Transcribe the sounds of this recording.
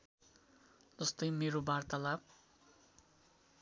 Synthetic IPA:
d͡zʌst̪ʌjmeɾobart̪alab̚

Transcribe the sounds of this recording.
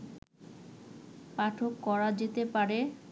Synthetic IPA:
paʈʰokːɔɾad͡ʑet̪epaɾe

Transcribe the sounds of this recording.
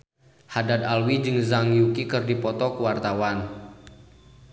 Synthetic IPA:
hadad̪alwid͡ʒɨŋzaŋjukikɨrdipɔt̪ɔkuwart̪awan

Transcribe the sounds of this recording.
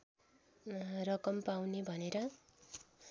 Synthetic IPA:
rʌkʌmpawnebʱʌneɾʌ

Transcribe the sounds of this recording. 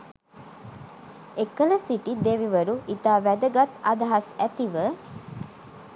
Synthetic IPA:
ekələsiʈid̪eʋiʋəɾuit̪aːʋæd̪əɡat̪ad̪aɦasæt̪iʋə

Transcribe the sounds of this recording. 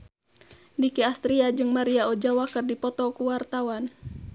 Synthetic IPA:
dikɛast̪ɾiad͡ʒɨŋmaɾiaɔd͡ʒawakɨrdipɔt̪ɔkuwart̪awan

